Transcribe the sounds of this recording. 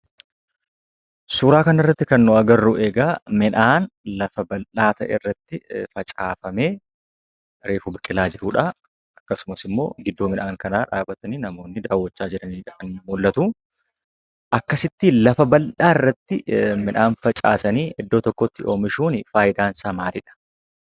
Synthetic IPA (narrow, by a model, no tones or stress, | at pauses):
suːɾaːkɐnɪrːɐt̪ːɪkɐnːɔɐɡɐrːuʔe̞ːɡaːmɪnaːnlɐfɐbɐlʔaːt̪ɐ̰ʔɛ̰ːrːɐt̪ːɪfɐt͡ʃʼaːfɐmeː | ɾe̞ːfʊbɪkʼɪlaːd͡ʒɪɾuᶑa | ɐkːɐsʊmɐsɪmːo̞̰ːɡɪd̪ːoːmɪnaːŋkɐnaːᶑaːbɐt̪ɐniːnɐmo̞ːnːɪd̪aːwːɔt͡ʃːaːd͡ʒɪɾɐniːᶑɐʔɐnːmulːɐt̪uː | ʔɐkːɐsɪt̪ːilɐfɐbɐlʔaːɪrːɐt̪ːɪmɪnʔaːnfɐt͡ʃʼa̰ːsɐniːʔɛd̪ːo̞ːt̪ɔkːɔt̪ːɪʔo̞ːmɪʃuːnɪfaːjɪd̪aːnsamaːɾɪᶑɐ̥